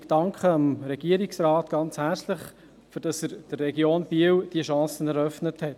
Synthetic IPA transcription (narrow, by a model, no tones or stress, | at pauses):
d̥ɑŋkχəɑmɾɛɡ̥iəɾiksɾɑːtɡ̥ɑnt͡shæt͡slɪχ | fyɾd̥ɑsəɾd̥ərːɛɡjoːnbiəwd̥iəʃɑ̃ːsənɛɾœfnəthɛt